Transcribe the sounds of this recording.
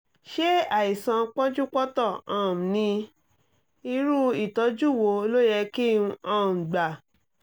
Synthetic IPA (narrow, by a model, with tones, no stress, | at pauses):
ʃe˦a˨i˨sã˧k͡pɔ̃˦d͡ʒu˦k͡pɔ˦tɔ˦˨ã˨m̩˨nĩ˧ | i˧ɾu˦i˨tɔ˨˧˦d͡ʒu˦˨wo˨˧˦o˧lo˦jɛ˧ki˦ũ˧ã˦˨ɡ͡ba˨